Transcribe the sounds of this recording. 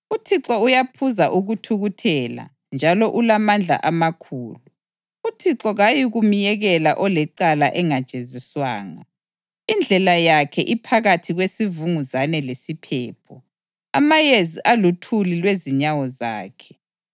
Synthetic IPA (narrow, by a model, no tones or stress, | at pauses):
utʰiǁɔujapʰuzaʔuɣutʰuɣutʰɛla̰ | nd͡ʒʱalɔʔulamand͡ɮʱa̰ʔamakʰṵːlu | utʰiǁɔɣajiɣumijɛɣɛlaʔɔlɛǃalaʔɛŋad̥t͡ʃʼeziswa̰ːŋa | ind͡ɮʱɛlajakʰɛ̰ʔipʰaɣatʰiɣwesivuŋuzanɛlesipʰɛːpʰɔ | a̰majeziʔalutʰulilweziɲawɔzaːkʰɛ̥